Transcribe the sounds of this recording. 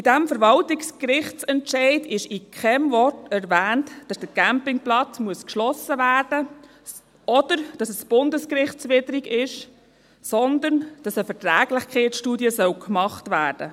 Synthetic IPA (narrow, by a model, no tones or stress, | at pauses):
bɪdæmfəɾʋɑltikskɾɪχt͡sɛntʃɛɪdɪʃɪkʰχɛmvɔtɛɾvæːntd̥ɑsd̥əɡ̥æmpɪŋplɑt͡smuəskʃlɔsəvæːrd̥ə | ɔd̥əɾd̥ɑsɛsb̥ʊndəskɾɪχt͡sʋɪdəɾiɡɪʃ | sɔnd̪ənd̥ɑsəfɛɾtɾæːɡ̥lɪχkʰɛɪtʃtuːdiəsœwkmɑχtvæːrd̥ə̰